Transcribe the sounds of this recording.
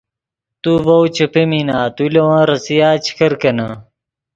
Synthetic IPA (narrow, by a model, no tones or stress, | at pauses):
t̪uvɐwt͡ɕɐpeminaːt̪ulewãːɾɐsijaːt͡ɕʰi̥kʰɐɾkɐnɐ